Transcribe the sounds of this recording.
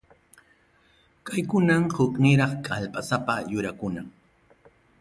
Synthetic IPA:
kajkʊnamhʊknɪɾɑχkʼalpasapajʊɾakʊna

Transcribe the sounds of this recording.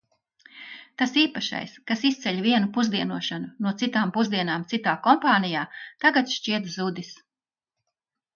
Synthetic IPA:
t̪asiːpaʃa̰jskasist̪sɛʎʲviɛnupuzd̪iɛnuɔʃanunuɔt̪sit̪aːmpuzd̪iɛnaːmt̪sit̪aːkɔmpaːnijaːt̪aɡat̪ʃt͡ʃiɛt̪zud̪is

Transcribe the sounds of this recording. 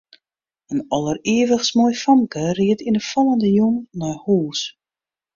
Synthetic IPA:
ənɔlˠəreəvəxsmojfɔmkʰəriətinəfɔlˠəndəjunːɔjhuːs

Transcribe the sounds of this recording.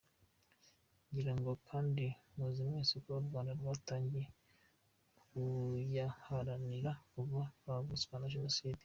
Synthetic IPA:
ɲɟiɾaŋɡo̞kʰaːndimuzimɲesikwauɾɡwaːndaɾwaːtaːɲɟe̞ | kujahaɾaniɾakuvaavuskanaʒonosiːdi̥

